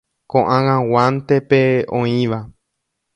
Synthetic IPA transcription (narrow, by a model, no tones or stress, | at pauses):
kõʔãŋãwãnt̪epeõĩʋa